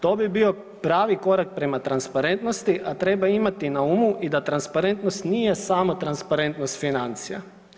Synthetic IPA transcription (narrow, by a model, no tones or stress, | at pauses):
t̪oːbibio̞ | pɾaːʋiko̞ɾak̚pɾe̞mat̪ɾanspaɾe̞nt̪no̞st̪iʔat̪ɾe̞baimat̪inaumuʔid̪at̪ɾanspaɾe̞nt̪nost̪nijesaːmot̪ɾanspaɾe̞nt̪no̞st̪finant̪sija̰